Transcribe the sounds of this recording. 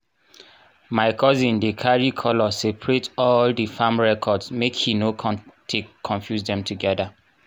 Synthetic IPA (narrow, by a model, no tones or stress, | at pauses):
maɪkʰɔzĩndekʰaɹikʰɔlɔsepʰɹetɔldifãmɹɛkʰɔdsmekhinotʰekʰɔ̃nfjuzdɛ̃mtuɡɛda